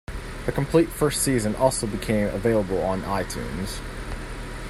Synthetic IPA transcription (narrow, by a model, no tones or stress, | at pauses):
ðɨkʰm̩pʰl̥itfɜ˞stsizɨ̃nʔɔlˠsoʊbɨkʰẽɪ̃mə̰veɪlˠəbl̩ˠə̃naɪtʰʉ̰̃nz̥